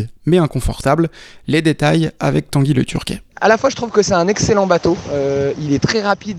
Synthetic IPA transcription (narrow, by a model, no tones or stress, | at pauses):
mɛɛ̃kɔ̃fɔʁt̪ablled̪et̪aja̰vɛk̚t̪ɑ̃ɡʲilə̰t̪ʰyʁkʲɛ̰a̰lafwaʒət̪χuvkəsɛɛ̃nɛkselɑ̃bat̪oøilɛt̪χɛʁapid̪